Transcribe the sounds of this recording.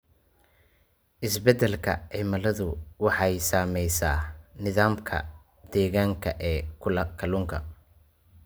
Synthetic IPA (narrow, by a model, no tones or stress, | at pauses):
ʔɪsbɛd̪ɛlkʰɐ̰ʕiːmɐlɐðʊwɑħɑjsaːmɛjsaːnɪðaːmkʰɐ̰ | d̪ɛːɣaːŋkʰɐʔɛːkʰʊlɐkʰɐlʊːŋkʰɐ